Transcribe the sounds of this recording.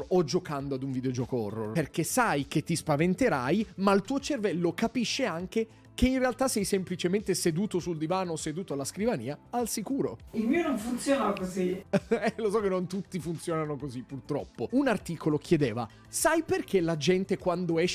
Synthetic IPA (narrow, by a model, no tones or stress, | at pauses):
ɔd͡ʒokand̪oad̪uɱvid̪eod͡ʒɔːkoɔ̰rːo̰rperkesajket̪ːispavent̪eɾajmailt̪uːot͡ʃervɛlːokapiʃːeaŋk̟e | k̟einrealt̪asɛjsemplit͡ʃement̪esed̪uːt̪osuld̪ivaːnosed̪uːt̪oalːaskɾivanḭːaalsikuːɾo̰ilmiːonoɱfunt̪sjoːnaokoziɛlosɔkːenːont̪ut̪ːifunt̪sjɔːnanokozipːurt̪ɾɔ̰pːounart̪iːkolok̟jed̪eːva̰ | sajperkelad͡ʒɛnt̪ekwand̪oɛʃ